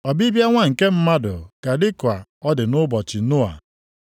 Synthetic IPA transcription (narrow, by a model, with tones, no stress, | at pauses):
ɔ˨bi˦bja˦ŋʷa˦ŋ̩˨ke˦m̩˦ma˦dʊ̰˨ka˨dɪ˦kʷa˨ɔ˦dɪ˨nʊ˦bɔ˨t͡ʃɪ˨nʊ˦a̰˨